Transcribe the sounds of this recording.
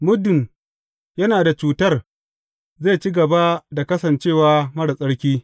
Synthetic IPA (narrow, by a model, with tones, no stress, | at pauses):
mʊ˦dʊ˨m | jɐ˦naː˨da˨t͡ʃuː˨tɐ˦˨r | zeː˦˨t͡ʃiː˦ɡɐ˨ba˦da˨kɐ˦sɐ˨nt͡ʃeː˦˨waː˦mɐ˦ɽsʼɐ˦ɽkʲiː˦